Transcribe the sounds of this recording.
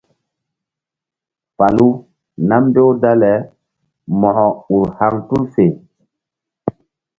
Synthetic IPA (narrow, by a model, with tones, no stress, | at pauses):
fa˨lu˦ | na˦mbe˦wda˦lɛ˨ | mɔ˨hɔ˨u˨ɾha˦ŋtu˦lfe˨